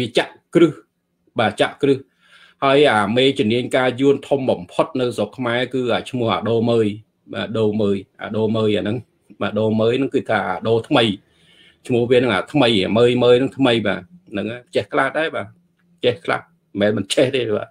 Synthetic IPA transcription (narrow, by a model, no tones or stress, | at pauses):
ʋiət͡ɕaʔkrɨh | ɓaːt͡ɕaʔkrɨh | haəjʔaːmeːt͡ɕʊ̆mniəɲkaːjuənt̪ʰumɓɑmpʰot̪̚nɨwsokʰːmaɛkɨːʔaːt͡ɕʰmʊ̆əhʔa̰ːɗoːməːj | ɓa̰ːɗoːməːjʔa̰ːɗoːməːjaːnɨŋ | ɓaːɗoːməːjnɨŋkɨːt̪ʰaːʔaːɗoːt̪ʰməj | t͡ɕʰmʊ̆əhʋiənɨŋʔaːt̪ʰməja̰ːməːjməːjnɨŋt̪ʰməjɓa̰ːnɨŋʔat͡ɕehkʰlahɗaɛɓaː | t͡ɕɛhkʰla̰h | mɛːnmɨnt͡ɕeht̪eːɓa̰ː